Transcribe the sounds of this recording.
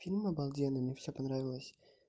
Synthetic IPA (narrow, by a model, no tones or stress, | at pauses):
fʲilʲməbɐlˠdʲenɨmʲefsʲopɐnɾavʲɪlˠəsʲ